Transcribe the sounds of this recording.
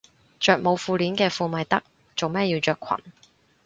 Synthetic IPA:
t͡ʃœː˨k̚mo˨˧wfuː˧liː˨˥nkɛː˧fuː˧mɐ˨jt̪ɐ˥k̚ | t͡so˨wmɛː˥ji˧wt͡ʃœː˨kʰɐ̰˨˩n

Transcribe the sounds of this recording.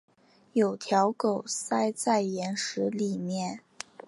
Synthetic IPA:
jo˨˩ʊt̪ʰjɑ˧˥ʊko˨˩ʊsa˥ɪt͡sa˥˩ɪjɛ˧˥nʂɻ̩˧˥li˨˩mjɛ˥˩n

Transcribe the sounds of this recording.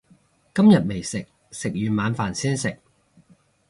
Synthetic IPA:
kɐ˥mjɐ˨t̚me˨˩jsɪ˨k̚ | sɪ˨k̚jyː˨˧maː˨˧nfaː˨˩nsiː˥nsɪ˨k̚

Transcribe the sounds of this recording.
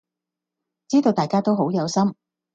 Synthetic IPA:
t͡siː˥t̪o˧wt̪aː˨jkaː˥t̪o˥wɦo˨˥wjɐ˨˧wsɐ˥m

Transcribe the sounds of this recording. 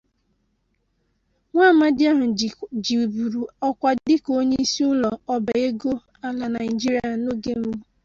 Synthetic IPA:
ŋʷa˦˨ma˦dɪ˦a˦ɦʊ˨d͡ʒi˨bu˨ɾu˨ɔ˦kʷa˦dɪ˦ko˦ɲe˦i˦si˦ʊ˦lɔ˨ɔ˦ba˨e˦ɡo˦ | a˨la˨na˨ɪ˨d͡ʒi˦ɾi˨˦a˨no˦ɡe˦m̩˦bu˦

